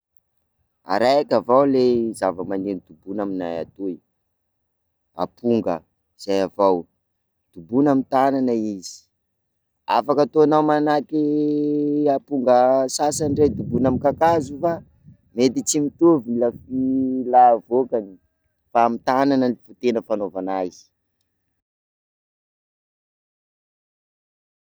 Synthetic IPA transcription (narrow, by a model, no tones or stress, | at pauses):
a̰ɾajakʲavawlezavəmanenid̪̥ubunaminaja̰t̪uj | a̰pʰuŋɡə̰ | z̥ajavaw | d̪̥ubunamit̪ananaiz̥i̥ | a̰fakat̪oanawmanaki | apuŋɡəsasanɖ͡ʐed̪ubunamikakazufa | met̪it͡simit̪uvilafilavokani | faːmit̪ananəlivut̪enəfanovanazi̥